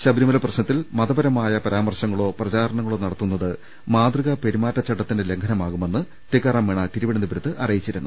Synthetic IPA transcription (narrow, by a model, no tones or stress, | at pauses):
ɕɐbɾimɐlɐprɐɕnɐt̪ːilmɐðɐbɐɾɐmaːjɐpɐɾaːmɐrɕɐŋːɐɭo̞ːprɐt͡ɕaːɾɐɳɐŋːɐɭoːnɐɽɐt̪ːunːɐðɨ | maːd̪riɣɐpe̞ɾimaːtːɐt͡ɕɐʈːɐt̪ːindele̞ŋɡʰʱɐnɐmaːɣume̞nːɨ | ʈikːɐrɐmːeɳɐt̪iɾuʋiɽɐnibɐɾɐt̪ːɨʔɐrɐjit͡ɕːiɾunːʔu